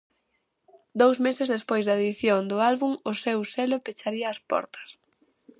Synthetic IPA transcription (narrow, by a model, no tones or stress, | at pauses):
d̪owzmesɪzðespojzðɐeðiθjond̪ʊalβuŋʊsewselʊpet͡ʃaɾiɐːspɔ̰ɾt̪ɐ̥s